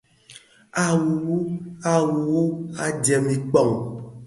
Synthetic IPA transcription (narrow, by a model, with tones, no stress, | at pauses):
a˨wu˨wu˦a˨wu˨wu˦a˦d͡ʒɛ˨mĩ˨k͡pɔ˦˨ŋ